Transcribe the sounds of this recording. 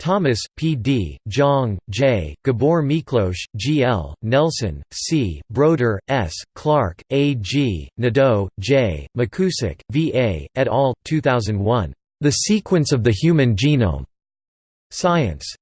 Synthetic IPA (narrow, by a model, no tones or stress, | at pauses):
tʰɑmɨspʰidid͡ʒɑ̃ŋd͡ʒeɪɡ̥ɨbɔɹmikʰloʊʃd͡ʒiɛ̰lˠnɛlˠsɨ̰̃nsibɹoʊɾə˞ʔɛskʰl̥ɑɹkeɪd͡ʒinɨdoʊd͡ʒeɪmɨkʰʉsɪ̰kviʔeɪɨɾɔlˠtʰʉθaʊzɨ̃nd̚wʌ̃n | ðɨsikʰwɨ̃nsʌvðɨhjʉmɨ̃nd͡ʒinõ̰ʊ̃m | saɪɨ̰̃ns